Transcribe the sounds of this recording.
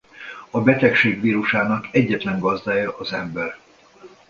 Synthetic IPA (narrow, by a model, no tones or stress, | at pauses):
ɒbɛt̪ɛkʃeːɡʋiːɾuʃaːnɒkɛɟːɛt̪lɛŋɡɒzd̪aːjɒʔɒzɛmbɛr